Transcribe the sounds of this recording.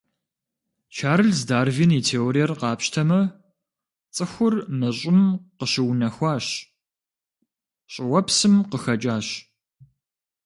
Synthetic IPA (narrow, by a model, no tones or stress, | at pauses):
t͡ʃʰaːɾɨɮzdaːrvinitʰeːoɾijɛrqɑːpɕtʰɐmɐ | t͡sʼɨxʷʊrmɐɕʼɪmqəɕɪwnɐxʷɑːɕ | ɕʼɪwɐpsɨmqəxɐt͡ʃʼaːɕ